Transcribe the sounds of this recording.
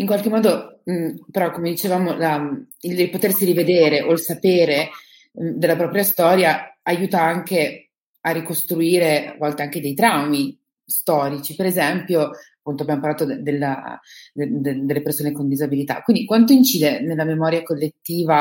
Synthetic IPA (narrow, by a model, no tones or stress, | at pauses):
iŋkwalkemːɔːd̪o | peɾɔkːomed̪it͡ʃevaːmola | ililpot̪ersiɾived̪eːɾeʔoilsapeːɾe | d̪elːapɾɔːpɾjast̪ɔːɾjaajuːt̪aaŋk̟e | arːikost̪ɾuiːɾea̰vɔlt̪eaŋked̪ejt̪ɾawmi | st̪ɔːɾit͡ʃipeɾezɛmpjoapːunt̪oabjamoparlaːt̪od̪elːa̰d̪ed̪ed̪elːepersoːnekond̪izabilit̪a̰kwind̪ikwant̪̬oint͡ʃiːd̪enelːamemɔːɾjakolːet̪ːiːva